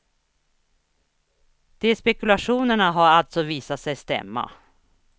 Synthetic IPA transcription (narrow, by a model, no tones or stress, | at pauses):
d̪̥ɛspɛkɵlaʂuːnəɳaɦaɾalt̪sɔviːsat̪sɛjst̪ɛ̰mːa̰